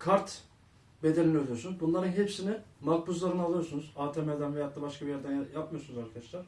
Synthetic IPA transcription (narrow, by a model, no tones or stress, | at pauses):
kʰaɾt̪ | be̞d̪enʲiniølʲyjosunuzbunlˠaɾɯnɦe̞psinimak̚buzlˠaɾɯnalˠɯjosunuzaːt̪ʰemeld̪ʲænvejat̪lˠabaʃkʰabijæɾd̪ænjap̚mɯjosunuzaɾkʰad̪aʃlˠaɾ̥